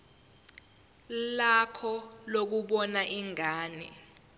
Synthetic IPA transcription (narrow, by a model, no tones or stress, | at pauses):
lakʰɔlok̬uɓɔnaʔiŋaːnḭ